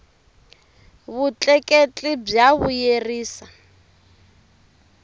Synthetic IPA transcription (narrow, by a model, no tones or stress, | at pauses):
βut͡ɬʼɛkʼet͡ɬʼib͡ʐjaβujeriːsa